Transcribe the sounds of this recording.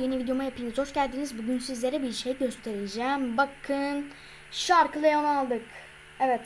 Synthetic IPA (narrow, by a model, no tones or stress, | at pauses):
jenivid̪ejo̞majapʰɯnizhot͡ʃɟælʲd̪iːnizbuɟynsizlʲe̞ɾɛbiɾʃejɟø̞st̪ʰe̞ɾed͡ʒæːmbakʰɯn | ʃaɾkɯlˠajanalˠd̪ɯk | ɛvɛt̪